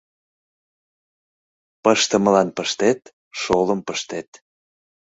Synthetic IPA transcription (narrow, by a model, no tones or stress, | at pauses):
pəʃt̪əməlɑnpəʃt̪et̪ | ʃoləmpəʃt̪et̪